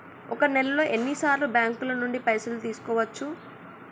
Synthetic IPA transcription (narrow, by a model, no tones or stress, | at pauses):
ɔkɐnɛlɐlo̞ːʔenːisaːɾlubjaːŋkulɐnuɳɖipɐjsɐlut̪iːsu̥kɔːʋɐt͡ʃːu